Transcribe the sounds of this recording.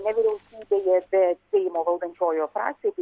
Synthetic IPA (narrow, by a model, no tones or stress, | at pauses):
nʲɛʋʲiɾʲɛʊsʲiːbʲeːjɛbʲɛsʲɛɪmoːʋɐlˠd̪ɐnʲt͡ʃʲoːjoːfɾɑ̰ːksʲebʲ